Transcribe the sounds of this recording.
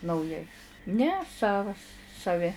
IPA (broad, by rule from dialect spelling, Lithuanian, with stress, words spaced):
nɐʊˈjɛɪ ˈnʲɛ ˈsɑːʋɐs sɐˈʋʲɪ